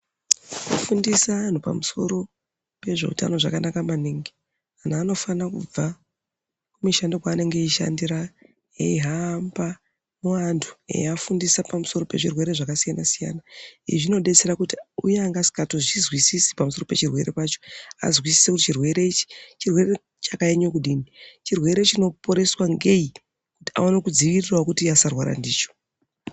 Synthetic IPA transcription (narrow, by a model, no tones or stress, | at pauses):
o̰fundisaan̤upa̰muso̞ɾo̞ | pe̞ʐe̞ṵta̰no̞ʐakanakamaniːŋɡi | anaːno̞fanakṵb͡va | kumiʃandokwaːne̞ŋɡe̞iʃa̰ndira | ḛiɦamba | muʋantʰu̥ḛafundisapamuso̞ɾo̞pe̞ʐirwe̞ɾe̞ʐakasijanasija̰naḭʐino̞ɗe̞t͡se̞ɾakutiujeaŋɡasi̥katoʐizwisisi̥pamuso̞rope̞t͡ʃirwe̞̰ɾe̞paːt͡ʃo̞a̰zwisi̥sekutit͡ʃirwe̞ɾe̞it͡ʃi̥t͡ʃirwe̞re | t͡ʃakaeɲokuɗiːnit͡ʃirwe̞ɾet͡ʃino̞poɾe̞swaŋɡe̞i | kuti̥a̰onekud͡ziʋirirwakutiasarwaɾa̰ndiːt͡ʃo̥